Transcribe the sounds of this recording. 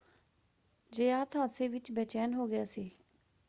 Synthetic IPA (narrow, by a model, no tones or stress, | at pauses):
d͡ʒəjaːt̪ʰaːsẽːʋɪt͡ʃbɛːt͡ʃɛːnɦoːɡɪjaːsiː